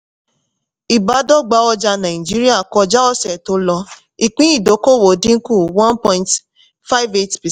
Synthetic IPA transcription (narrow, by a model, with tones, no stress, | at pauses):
i˨ba˨˦dɔ˦ɡ͡ba˨˦ɔ˧d͡ʒa˧nã˨d͡ʒi˦ɾi˦a˦˨kɔ˧d͡ʒa˦ɔ˦sɛ˨to˧˦lɔ˧ | i˨k͡pĩ˦i˦˨do˨˦ko˦˨wo˨dĩ˦ŋ̩˦ku˦˨wã˦npɔ̃˧ĩ˧nt | fa˦i˦ve˦tpi˨